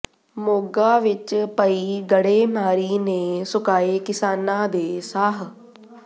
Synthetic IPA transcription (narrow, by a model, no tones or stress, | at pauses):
moːɡaʋɪt͡ɕpɐiɡɐɽemaːɾinẽsʊkaːekɪsaːnãd̪eːsaːɦ̆